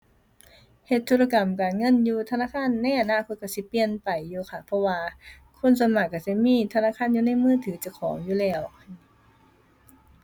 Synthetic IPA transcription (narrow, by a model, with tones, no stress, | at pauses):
he˧t̪ʰːuː˧˥˩la˧ka˨˩mkaː˨˩nŋɤ˧˥˨njuː˧t̪ʰa˧naː˧˥˨kʰaː˧˥˨nːa˧˥˨jʔa˨˩naː˧˥˨kʰo˧t̪̚ka˧˩si˧˦pi˧ənpa˨˩jːuː˧kʰa˧˩pʰɔ˧waː˧ | kʰo˧˥˨nsa˨˧˦ma˧˩k̚ːa˧˩si˧˩miː˧˥˨t̪ʰa˧naː˧˥˨kʰaː˧˥˨njuː˧na˧˥˨jmɯː˧˥˨t̪ʰɯː˨˦t͡ɕa˧˩kʰɔː˨˦ŋjuː˧˨lɛː˧˩w